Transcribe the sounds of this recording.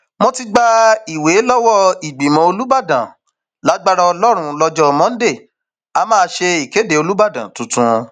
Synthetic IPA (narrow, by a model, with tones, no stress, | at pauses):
mɔ̃˦ti˧ɡ͡ba˧i˨we˨˦lɔ˦wɔ˦i˨ɡ͡bi˨mɔ̃˨˦o˧lu˦ba˦˨dã̰˨ | la˨˦ɡ͡ba˦ɾa˧ɔ˧lɔ˦ɾ̃ũ˧lɔ˧d͡ʒɔ˦mɔ̃˦de˦˨ | a˧mãː˦˧ʃe˧i˨ke˨˦de˨o˧lu˦ba˦˨dã˨tũ˨tũ˨˧